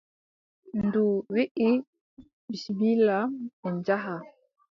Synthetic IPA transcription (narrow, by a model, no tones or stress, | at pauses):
nduwiʔi | ɓisibilaɛɲd͡ʒaɦa